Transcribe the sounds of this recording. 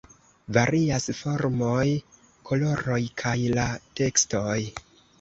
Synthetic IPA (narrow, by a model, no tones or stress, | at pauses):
vaɾiasfo̞ɾmoj | kʰo̞lo̞ɾo̞jkʰajlate̞ksto̞j